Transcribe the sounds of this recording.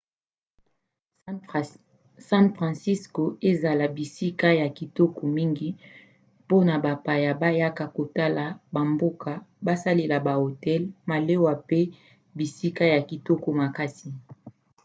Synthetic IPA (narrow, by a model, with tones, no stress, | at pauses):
sã˦nfʁã˨nsi˦sko˨e˦za˨la˨bi˨si˦ka˦ja˨ki˨tɔ˦ko˨mi˦ŋɡi˦ | po˦na˨ba˨pa˨ja˨ba˦ja˦ka˨ko˨ta˦la˨ba˨mbo˦ka˨ba˦sa˦le˨la˨ba˨o˨tɛ˦lma˨le˦wa˨pe˦ | bi˨si˦ka˦ja˨ki˨tɔ˦ko˦ma˨ka˦si˨